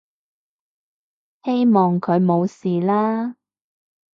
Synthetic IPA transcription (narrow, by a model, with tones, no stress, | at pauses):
he˥jmɔː˨ŋkʰɵ˨˧ɥmo˨˧wsiː˨laː˥